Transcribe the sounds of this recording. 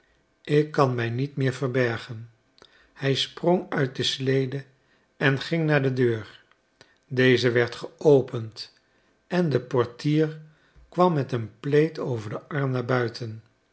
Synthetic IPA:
ɪkːɑnmɛjnitmɪːɹvəɹbɛɹχən | hɛjsproŋœɥt̚dəslejdə | ɛnχɪŋnaːɹdədøːɹ | dejzəʋɛɹtχəowpənt | ɛndəpɔɹtiːɹ | kʋɑmːɛtənplejtʰowvəɹdəʔɑɹmnaːɹbœɥtʰən

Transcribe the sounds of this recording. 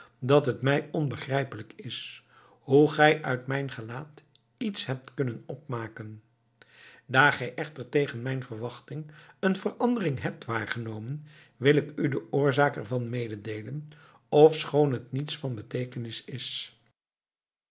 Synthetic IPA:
dɑtɦətmɛjɔnbəχrɛjpələkɪs | huχɛjʔœɥtmɛjnχəlaːt | itsɦɛp̚tkɵnənɔp̚maːkən | daːɹχɛjʔɛχtəɹtejχənmɛjnvəɹʋɑχtɪŋənvərʔɑndərɪŋɦɛp̚tʋaːɹχənowmən | ʋɪlɪkydəʔʊːɹzaːkɛɹvɑnmejdədejlən | ɔfsχownɦətnitsfɑnbətejkənɪsɪs

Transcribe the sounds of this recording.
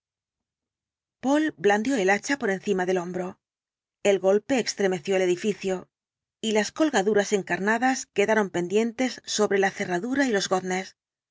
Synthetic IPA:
po̞lbland̪jo̞e̞lat͡ʃapo̞ɾe̞nθimaðe̞lo̞mbɾo̞ | e̞lɣo̞lpe̞ːkst̪ɾe̞me̞θjo̞e̞le̞ðifiθjo̞ | ilasko̞lɣaðuɾase̞ŋkaɾnaðaske̞ðaɾo̞mpe̞nd̪je̞nt̪e̞sːo̞βɾe̞laθe̞raðuɾailo̞zɣo̞ðne̞s

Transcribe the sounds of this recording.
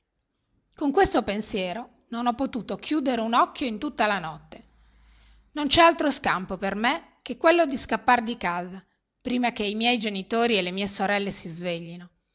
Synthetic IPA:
koŋkwest̪opensjɛːɾo | nonɔpːot̪uːt̪okʰjuːd̪eɾeunɔkːjoint̪ut̪ːalanɔt̪ːe | nont͡ʃɛalt̪ɾoskampoperme | kekːwelːod̪iskapːard̪ikaːza | pɾiːmak̟eimjɛjd͡ʒenit̪oːɾielemiːesoɾɛlːesizveʎːino

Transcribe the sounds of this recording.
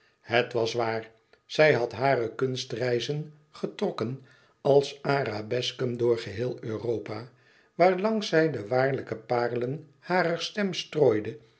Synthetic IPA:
hətʋɑsʋaːɹ | z̥ɛjɦɑtɦaːrəkɵnstrɛjzən | χətrɔkən | ɑlˠsaːɾabɛskəmdʊːɹχəɦɪːlˠøːroːpa | ʋaːɹlɑŋsɛjdəʋaːɹləkəpaːrələn | haːrəɹstɛmstroːjdə

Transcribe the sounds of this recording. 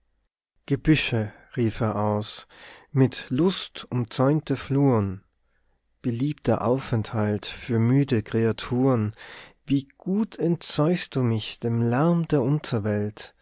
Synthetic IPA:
ɡ̥əbʏʃə | ʁiːfeːɐʔaʊsmɪtlʊstʊnt͡sɔʏntəfluːən | b̥əliːp̚tʰɐʔa̰ʊfɛnthaltfyːɐmyːdəkʁ̥eatʰuːʁənviːɡ̥uːtʰɛntt͡sɔʏçst̚d̥uːmɪçd̥eːmlɛɐmdeːɐʔʊntʰɐvɛlt

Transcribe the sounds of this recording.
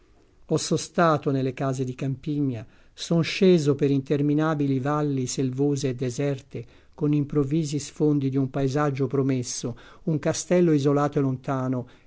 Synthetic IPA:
ɔsːost̪aːt̪onelːekaːzed̪ikampiɲːa | sonʃeːzopeɾint̪erminaːbilivalːiselvoːzeːd̪ːezɛrt̪e | konimpɾovːiːzisfond̪id̪iumpaezad͡ʒːopɾomesːo | uŋkast̪ɛlːoizolaːt̪oelont̪aːno

